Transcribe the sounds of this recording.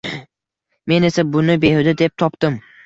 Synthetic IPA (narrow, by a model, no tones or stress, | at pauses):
me̞ne̞sabʊnɪbehʊd̪ɪd̪ep̚t̪ʰɒpt̪ɪm